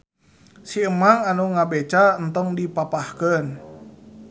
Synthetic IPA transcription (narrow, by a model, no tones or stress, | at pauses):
siəmaŋanuŋabet͡ʃant̪ɔŋdipapahkən